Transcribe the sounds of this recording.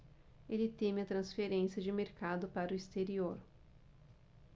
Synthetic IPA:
elɪt̪ẽmɐt̪ɾɐ̃sfeɾẽsiɐd͡ʒɪmeɾkad̪ʊpaɾʊist̪eɾioɾ

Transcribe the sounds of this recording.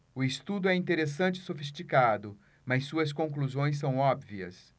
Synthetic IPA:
ʊɪst̪ud̪ʊɛĩnt̪eɾesɐ̃nt͡ʃɪ̥sofist͡ʃikad̪ʊ | mɐsːuɐs̬kõkluzõj̃s̬ɐ̃w̃ɔbviɐ̰s

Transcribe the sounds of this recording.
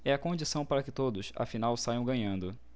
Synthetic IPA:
ɛɐkõd͡ʒisɐ̃w̃paɾɐkɪt̪od̪ʊsa̰finawsajɐ̃w̃ɡɐ̃ɲɐ̃nd̪ʊ

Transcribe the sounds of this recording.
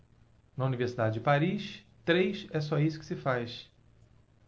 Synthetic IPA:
nɐuniveɾsid̪ad͡ʒɪd͡ʒɪpaɾiʃ | t̪ɾejʃɛs̬ɔisʊkɪ̥sɪfajʃ

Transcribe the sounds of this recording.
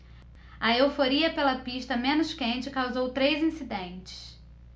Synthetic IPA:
ɐewfoɾiɐpelɐpiʃt̪ɐmẽnʊʃkẽnt͡ʃɪkawzowt̪ɾejzĩsid̪ẽnt͡ʃɪ̥s

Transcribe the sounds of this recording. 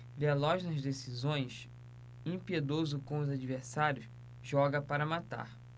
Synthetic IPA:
velɔʒnɐzd̪esizõj̃s | ĩpied̪ozʊkõʊzad͡ʒivesaɾjʊs | ʒɔɡɐpaɾɐmat̪a̰ɾ

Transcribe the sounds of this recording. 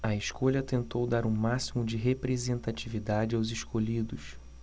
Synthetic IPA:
ɐeʃkoʎɐt̪ẽnt̪owd̪aɾũmasimʊd͡ʒɪɦepɾezẽnt̪at͡ʃivid̪ad͡ʒɪawzeʃkoʎid̪ʊs

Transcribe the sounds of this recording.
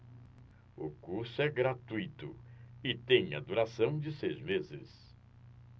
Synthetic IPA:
ʊkuɾsʊɛɡɾat̪ujt̪ʊ̰ɪt̪ẽj̃ɐ̰d̪uɾasɐ̃w̃d͡ʒɪsejzmezɪ̰s

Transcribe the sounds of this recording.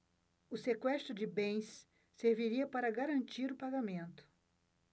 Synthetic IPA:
ʊsekwɛst̪ɾʊd͡ʒɪbẽj̃sː | eɾviɾiɐpaɾɐɡaɾɐ̃nt͡ʃiɾʊpaɡamẽnt̪ʊ̥

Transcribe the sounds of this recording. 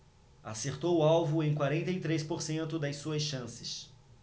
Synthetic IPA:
a̰seɾt̪owʊawvʊẽj̃kwaɾẽnt̪ɐjt̪ɾejspoɾsẽnt̪ʊd̪ɐjsuɐsʃɐ̃sɪs

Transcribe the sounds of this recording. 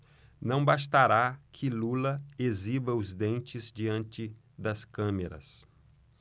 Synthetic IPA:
nɐ̃w̃bast̪aɾakʰɪlulɐezibɐʊzd̪ẽnt͡ʃɪzd͡ʒiɐ̃nt͡ʃɪ | d̪ɐskɐ̃meɾɐ̰s

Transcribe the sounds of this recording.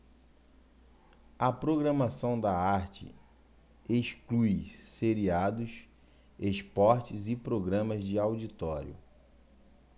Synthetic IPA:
ɐpɾoɡɾɐmasɐ̃w̃d̪ɐaɾt͡ʃɪ̰ | esklujseɾiad̪ʊs | espɔɾt͡ʃɪzɪpɾoɡɾɐ̃mɐzd͡ʒɪawd͡ʒit̪ɔɾjʊ̰

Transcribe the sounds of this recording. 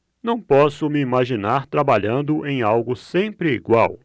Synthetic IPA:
nɐ̃w̃pɔsʊmɪimaʒinaɾt̪ɾabaʎɐ̃nd̪ʊʔẽj̃awɡʊsẽmpɾɪiɡwaw

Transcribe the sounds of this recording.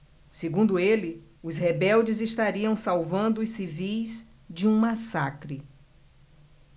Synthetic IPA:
seɡũnd̪ʊelɪ | ʊshebɛwd͡ʒɪzɪst̪aɾiɐ̃w̃sawvɐ̃nd̪ʊːsivijz | d͡ʒɪũmasakɾɪ

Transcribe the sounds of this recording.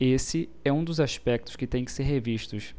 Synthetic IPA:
esɪɛũd̪ʊzaʃpɛk̚t̪ʊ̥skɪt̪ẽj̃kɪ̥seɾɦeviʃt̪ʊʃ

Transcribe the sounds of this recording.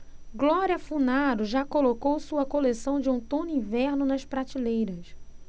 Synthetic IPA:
ɡlɔɾiɐfunaɾʊʒakolokowsuɐkolesɐ̃w̃d͡ʒɪũt̪õnĩvɛɾnʊnɐʃpɾat͡ʃilejɾɐs

